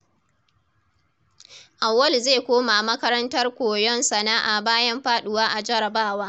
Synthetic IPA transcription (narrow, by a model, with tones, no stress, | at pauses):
ʔa˨wːɐ˦lzeː˦˨kʷoː˦ma˨mɐ˦kɐ˦ɾɐ˦ntɐ˦rkʷoː˨jɔ˦nsɐ˨naː˦ʔaː˨baː˦jɐ˦mɸaː˦ɗʊ˨waː˦ʔa˨d͡ʒɐ˦ɾɐ˨baː˦waː˦